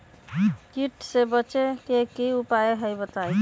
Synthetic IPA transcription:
kiʈsebət͡ʃekekiupaeɦəjbət̪aj

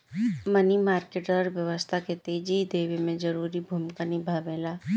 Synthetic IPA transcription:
mɐnimaːɾkeːʈəɾʋjɐʋəst̪ʰaket̪eːd͡ʒid̪eːʋemẽd͡ʒɐɾuːɾibʱumkanibʱaːʋeːlaː

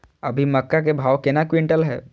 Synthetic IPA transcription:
ɐbʱimɐkːak̬ebʱaːʋkɪnakwɪ̃ɳʈəlɦɛ̰ː

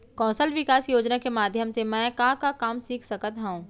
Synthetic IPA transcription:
kɔ̃ːsəlʋɪkaːsjoːd͡ʒnakemaːd̪ʱjəmsemɛ̃ːkãːkakaːmsiːkʰsɐkət̪ɦɛũː

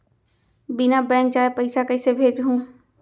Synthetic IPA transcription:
bɪnabɛ̃ːŋk̚t͡ʃaːepɐɪsakɐɪsebʱeːd͡ʒɦũː

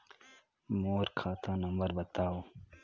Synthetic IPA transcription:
moːɾkʰaːt̪ʰãːnɐmbɐɾbɐt̪aːoː

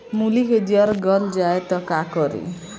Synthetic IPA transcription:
muliked͡ʒiaɾɡʌld͡ʒaet̪ʌkakɔɾḭ

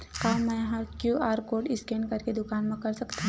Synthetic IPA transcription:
kaːmɛ̃ɦakjuaːɾkoːɖɪskẽɳɖkɐɾked̪ʊkaːnmẽkɐɾsɐkt̪ã

